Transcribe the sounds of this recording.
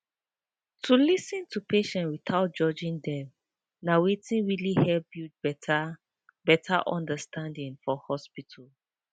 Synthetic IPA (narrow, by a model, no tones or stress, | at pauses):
tʰulisĩntʰupeʃɛ̃nwiθaʊt̚d͡ʒɔd͡ʒĩndɛm | nawetĩnɹilihɛp̚ju | bɛtʰaʔɔ̃ndəstãndĩŋfɔhɔspitʰal